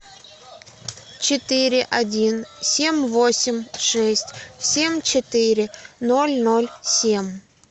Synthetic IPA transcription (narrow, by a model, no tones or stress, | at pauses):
t͡ɕɪt̪ɨɾʲɪʔɐdʲinsʲemʲvosʲɪmʲʂɛsʲtʲsʲemʲt͡ɕɪt̪ɪɾʲɪnolʲnolʲsʲemʲ